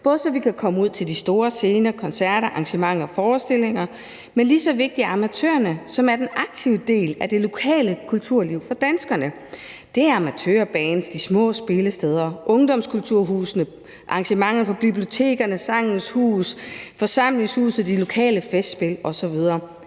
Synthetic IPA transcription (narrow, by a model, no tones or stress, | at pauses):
b̥ɔ̽ːð̞ˠəsɒ̽ʋikʰækʰɒ̽məuð̞̰ˠt͡sʰe̝ld̥isd̥o̝ːɐse̝ːnɐkʰɒ̽nsæɐ̰ɾɐʔɑ̈ŋɕəmɑ̈ŋ̰ɒfɒːsd̥e̝le̝ŋɐ | menlisɒ̽ʋe̝ɡ̥̚d̥iɑ̈mæt͡sʰø̰ːɐnəsɒ̽mæɐd̥enɑ̈ɡ̥̚t͡sʰiʊəd̥e̝̰ːlæd̥e̝lo̝kʰɛ̰ːləkʰult͡sʰuɐ̰liʊfɒ̽d̥ænsɡ̥ɐnə | d̥e̝ææɐɑ̈mæt͡sʰø̰ɐb̥ɛːnsd̥ismɔ̰̽ːsb̥e̝ləsd̥eð̞ˠɐʔɔ̽ŋd̥ɒ̽mskʰult͡sʰuɐ̰ɦuːsnə | ʔɑ̈ŋɕəmɑ̈ŋ̰ð̩ˠpʰɒ̽b̥iblio̝t͡sʰe̝̰ːɡ̥ɐnəsɑ̈ŋ̰n̩shṵːsfɒ̽sɑ̈m̰le̝ŋshṵːs̩d̥ilo̝kʰɛ̰ːləfesd̥sb̥e̝lɒ̽sɒ̽ʋið̞ˠɐː